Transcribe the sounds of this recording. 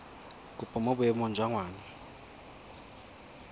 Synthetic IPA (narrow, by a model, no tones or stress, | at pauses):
kʼupʼɔmɔbʊjɛmɔnd͡ʒʱwaŋwaːna